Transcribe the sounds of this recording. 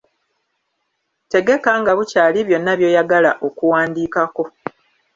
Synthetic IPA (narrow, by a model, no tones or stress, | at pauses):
te̞ɡe̞kaŋɡaβucaːliβjo̞nːaβjo̞ːjaɡalaʔo̞kuwaːndiːkako̞